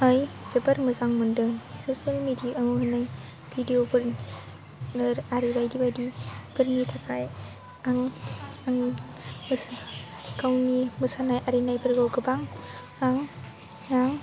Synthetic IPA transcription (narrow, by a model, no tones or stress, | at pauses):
ajz̥ɯbaɾmɯzaŋmɯndɯŋsosialmediaʔaŋuɦɯnaj | bʰʱidiopʰɯɾ | nɯɾaɾibajdibajdipʰɯɾnitʰakʰaj | aŋaŋ | mɯs | kawnimɯsanajʔaɾinajpʰɯɾɡawɡɯbaŋ | aŋ | aŋ